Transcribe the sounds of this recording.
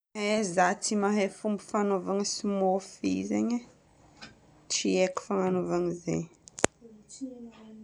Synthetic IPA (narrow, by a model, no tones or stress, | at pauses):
ezat͡simaɦefumbufanovaŋisimofizeɲə | t͡ʃieku̥famanovaɲizḛɲ